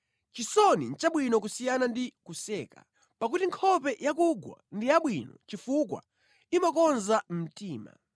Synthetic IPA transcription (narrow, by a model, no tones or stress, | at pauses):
t͡ʃisɔnint͡ʃaɓwinɔk̬usijanandikusɛːka̰ | pak̬utiŋkʰɔpɛjakuɡwa̰ndijaɓwinɔ̰t͡ʃifukwa̰ | imakɔnzam̩tiːma̰